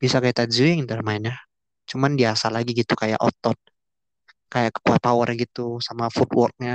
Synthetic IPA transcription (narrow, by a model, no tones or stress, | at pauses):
b̥isakajat̪ad͡ʒuɪŋnd̪ərmaɪnja | t͡ʃumandiasalaɡiɡit̪ukaja̰ʔɔ̰t̪ɔt̪̚ | kajakə̥kuat̪̚pawərɡit̪usamafut̪wɔrk̚ɲa